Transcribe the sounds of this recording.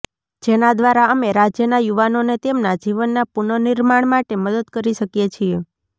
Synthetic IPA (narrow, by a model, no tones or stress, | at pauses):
d͡ʒenad̪ʋaɾaəmeɾad͡ʒjənajuʋanonet̪emnad͡ʒiʋənːapuɳəniɾmaɳmaʈeməd̪əd̪kəɾiʃəkjet͡ʃʰie